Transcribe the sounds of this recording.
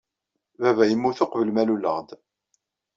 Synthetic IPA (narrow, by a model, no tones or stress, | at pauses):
vævæjəmːuθʊqvəlmæluləʁd̪